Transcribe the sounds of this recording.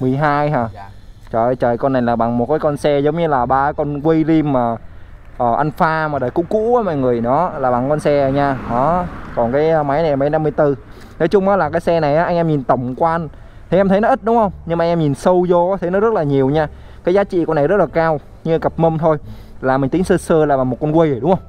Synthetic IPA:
mɨ˨˩əjɦaː˧jɦaː˨˩ | t͡ɕəː˨˩t͡ɕəː˨˩jkɔ˧nːa˨˩jlaː˨˩ɓa˨˩ŋmo˨˩t̚kaː˨˦jkɔ˧nsɛ˧zə˨˦wŋ͡mɲɨ˧laː˨˩ɓaː˧˦kɔ˧nkwə˧jli˧mːaː˨˩ | ʔəː˨˩ʔa˧ŋ̟faː˧maː˨˩ɗəː˨˩jkṵ˧˥kṵ˧˥aː˨˦ma̰ː˧˨jŋɨ˨˩əjnɔ˨˦laː˨˩ɓa˨˩ŋkɔ˧nsɛ˧ə˨˩ɲaː˧ɗɔ˨˦kɔ˨˩nkaː˨˦jma˨˦jna˨˩˨ma˨˦jna˧mːɨ˧əjt̪ɨ˧ | nɔ˨˦jt͡ɕʊ˧ŋ͡mʔɔ˨˦laː˨˩kaː˨˦jsɛ˧na˨˩jʔaː˨˦ʔa˧ŋʔɛ˧mɲi˨˩nt̪ə˧˩wŋ͡mkwaaː˧ʔn | t̪ʰi˨˩ʔɛ˧mt̪ʰə˨˦jnɔ˨˦ʔi˦˥t̚ɗʊ˨˦ŋ͡mhə˧wŋ͡mɲɨ˧ŋma˨˧ŋʔɛː˧mɲi˨˩nsə˧wzo˧˨˦t̪ʰə˨˦jnɔ˨˦zə˦˥t̚laː˨˩ɲi˨˩əwɲaː˧ | kaː˨˦zaː˨˦t͡ɕḭ˧˨kɔ˧na˨˩jzə˦˥t̚laː˨˩kaː˧w | ɲɨ˧˩kə˨˩p̚mə˧mt̪ʰo˧jlaː˨˩mï˨˩ŋi˨˦ŋsəː˧səː˧laː˨˩ɓa˨˩ŋmo˨˩t̚kɔ˧nkwə˧jə˧˩ɗʊ˨˦ŋ͡mhə˧wŋ͡m

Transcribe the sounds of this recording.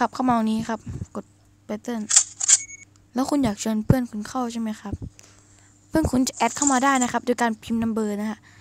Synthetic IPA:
kʰa˦˩p̚kʰa˥˩wmaː˧wa˨˧˩ŋniː˦˥xʰa˦˥p̚ko˨˩t̪̚ | pa˧t̪ɤ˥˩n | lɛː˦˥wkʰu˧njaː˨˩k̚t͡ɕʰɤː˧npʰɯ˥˩ənkʰu˧nkʰa˥˩wt͡ɕʰa˥˩jma˥jkʰa˦˥p̚ʰː | ɯ˥˩ənkʰu˧nt͡ɕa˨˩ʔɛː˦˥t̚kʰa˥˩wmaː˧daː˥˩jna˦˥kʰa˦˥p̚do˧jkaː˧npʰi˧mna˧mbɤː˧na˦˥kʰa˦˥ʔ

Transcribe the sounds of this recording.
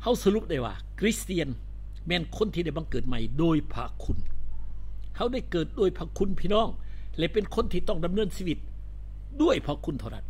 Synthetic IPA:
ha˧˥˩wsa˧ɾu˧˥p̚da˧˩jwa̰ː˧˩kʰɾi˦˥st̪iː˧ən | mɛː˧˩˨nkʰo˧˥˨nt̪ʰiː˧da˧˩jba˧ŋkɤː˨˩t̪̚ma˧˩jdoː˧jpʰa̰˧kʰu˧n | ha˧˩wda˧˥˩jkɤː˨˩t̪̚doː˧˩˨jpʰa˧kʰu˧˥˨npʰiː˧˨nɔː˧˥˩ŋlɛ˧pe˧nkʰo˧˥nt̪ʰiː˧˩t̪ɔ˧˥˩ŋda˧˦mnɤː˧˥˨nsiː˧˥˩wi˧˦t̪̚ | du˥˩əjpʰa˧˥kʰu˧˥nt̪ʰɾa˧˩t̪̚

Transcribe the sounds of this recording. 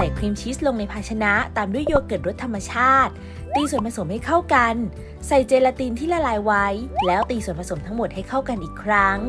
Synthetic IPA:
tɛː˨˩kʰɾiː˧mt͡ɕʰi˦˥st̪̚lo˧ŋna˧jpʰaː˧t͡ɕʰa˧na˦˥t̪aː˧mdu˥˩əjo˥˩kːɤː˨˩t̪̚ɾo˦˥t̪ʰːa˧mːa˧t͡ɕʰaː˥˩t̪̚ː | iː˧su˨˩ənpʰa˧so˩˦mha˥˩jkʰa˥˩wka˧n | sa˨˩jt͡ɕeː˧la˧t̪i˧nt̪ʰiː˥˩la˧laː˧jwa˦˥jlɛː˦˥wt̪iː˧su˨˩ənpʰa˧so˩˦mt̪ʰa˦˥ŋmo˨˩t̪̚ha˥˩jkʰa˥˩wka˧nʔiː˨˩kʰɾa˦˥ŋ

